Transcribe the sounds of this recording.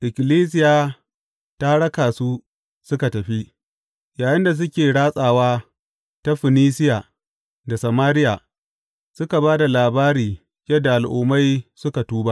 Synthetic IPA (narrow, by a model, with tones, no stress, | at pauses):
ʔɪ˨kʲɪ˨liː˦s̬ɪ˦jaː˨ | ta˦ɽɐ˦kaː˨su˦ | sʊ˦ka˨tɐ˨ɸi˦ʔ | jaː˨jɪ˦nda˨s̬ʊ˦kʲeː˨ɽaː˦sʼaː˨waː˦ | ta˦ɸɪ˨niː˦sɪ˦ja˨ | da˨sɐ˨maː˦ɾɪ˦jaː˨ | sʊ˦ka˨baː˦da˨laː˨baː˦ɾiː˨ | jɐ˦dːa˨ʔa˨lʔṵː˦ma˦jsʊ˦ka˨tuː˦ba˦ʔ